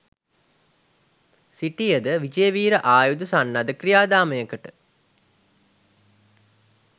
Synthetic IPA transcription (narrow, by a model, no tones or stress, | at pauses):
siʈijəd̪əʋid͡ʒejːʋiːɾəʔaːjud̪usanːad̪əkrijaːd̪aːməjəkəʈə